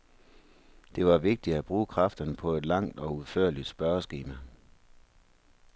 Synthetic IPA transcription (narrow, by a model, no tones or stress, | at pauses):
d̥e̝ʋɑ̈ʋe̝ɡ̥̚d̥i̥æb̥ʁuːkʰʁɑ̈fd̥ɐnəpʰɒ̽e̝d̥lɑ̈ŋ̰d̥ɒ̽uð̩ˠføɐ̰lid̥sb̥ɶɐsɡ̥eːmæ